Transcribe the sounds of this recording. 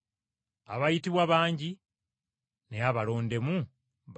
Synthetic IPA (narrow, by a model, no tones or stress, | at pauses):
aβajitiβwaβaːɲɟi | neaβalo̞ːnde̞mu | β